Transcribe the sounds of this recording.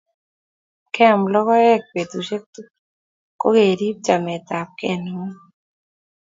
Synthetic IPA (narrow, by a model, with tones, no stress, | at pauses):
kɛ˦a˨mlɔ˦kɔ˦ɛ˦k̚pe˨t̪u˨ʃe˦k̚tu˦ | ko˦ɡe˨ɾi˦p̚t͡ʃa˨mɛ˨t̪a˨p̚kɛ˦nu˦